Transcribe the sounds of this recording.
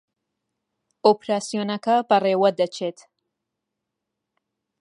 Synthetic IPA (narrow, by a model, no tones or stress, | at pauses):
opɾaːsijoːnɐkɐbɐreːwɐd̪ɐt͡ʃʰeːt̪